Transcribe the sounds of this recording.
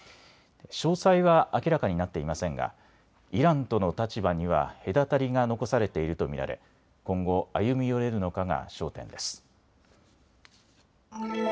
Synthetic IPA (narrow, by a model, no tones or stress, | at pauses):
ɕo̞ːsaiβaakʲiɾakaɲ̟inat̪ːe̞imasẽ̞ŋɡa̰ | iɾãnt̪o̞no̞t̪at͡ɕibaɲ̟iβ̞a̰he̞d̪at̪aɾʲiɡano̞ko̞saɾe̞t̪e̞iɾɯ̟t̪o̞mʲḭɾa̰ɾe̞̰ | kõ̞ŋɡo̞ajɯ̟mʲijo̞ɾe̞ɾɯ̟no̞kaɡa̰ɕo̞ːt̪ẽ̞̰nd̪e̞sɨ̥